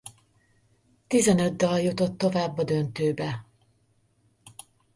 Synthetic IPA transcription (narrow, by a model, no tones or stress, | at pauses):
t̪izɛnød̪d̪ɒjut̪o̞t̪ːo̞vaːbːɒd̪ønt̪øːbɛ